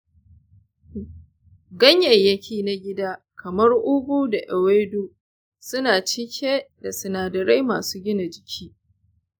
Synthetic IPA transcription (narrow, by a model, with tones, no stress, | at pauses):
ɡɐ˦ɲjɐ˨jːɐ˦kʲiː˨na˦ɡʲɪ˦daː˦ | kʰɐ˨mɐ˦rʔʊ˦ɡʷuː˦da˨ʔɛ˨weː˦doː˦ | sʊ˦naː˨t͡ʃɪ˦kʲʰeː˦da˨sɪ˨naː˨dɐ˨ɾa˦jmaː˨suː˦ɡʲɪ˦na˨d͡ʒɪ˨kʲʰiː˦